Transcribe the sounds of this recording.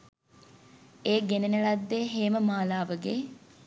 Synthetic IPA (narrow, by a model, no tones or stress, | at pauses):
eːɡenenəɭɐd̪ːeːɦeːməmaːlaːʋəɡeː